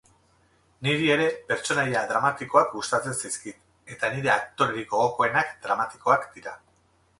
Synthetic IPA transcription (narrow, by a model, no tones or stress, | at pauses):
niɾie̞ɾe̞pe̞ɾt͡ʃo̞najaðɾamat̪iko̞akɡust̪at͡se̞nsajskit̪ | e̞t̪aniɾe̞akt̪o̞ɾeɾiɣo̞ɣ̞o̞ko̞e̞nakd̪ɾamat̪i̥ko̞akd̪iɾa